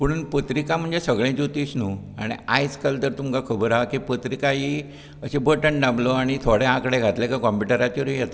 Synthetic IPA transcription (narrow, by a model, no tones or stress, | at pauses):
pəɽ̃uːnpət̪ɾikam̤əɳd͡zesəɡɭẽd͡ʑut̪isnuːaɽ̃ḭajt͡skəlt̪əɾt̪umkakʰəbəɾakipət̪ɾikaɦi | əɕẽbəʈəɳɖabloaɽ̃it̪ʰoɽẽãkəɽeɡʱat̪lekakɔmpuʈəɾat͡ɕiɾuijet̪a